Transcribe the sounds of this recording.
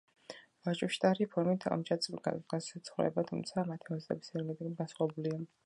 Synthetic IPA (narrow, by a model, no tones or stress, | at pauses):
vat͡ʃʼuʃt̪ʼaɾipʰɔɾmit̪ʰa̰md͡ʒat̪sɡasat̪sʰχwɾɛ̰bat̪ʰumt̪sʰamat̪ʰiɔzt̪ʼɛ̰bisɛɾlɛd̪masχɔbulia